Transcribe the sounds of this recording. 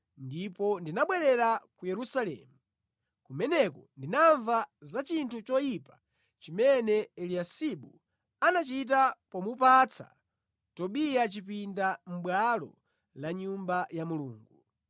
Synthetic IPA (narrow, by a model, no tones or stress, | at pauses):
ndipɔndinaɓwɛɾɛɾakujɛɾusalɛ̰ːmu | kumɛnɛkɔndinaɱvazat͡ʃintʰut͡ʃɔjipa | t͡ʃimɛnɛɛliasiɓṵ | anat͡ʃit̬apɔmupat͡sʰa̰ | tɔɓijat͡ʃip̬indam̩ɓwalɔ̰ | laɲumbajamuluːŋɡu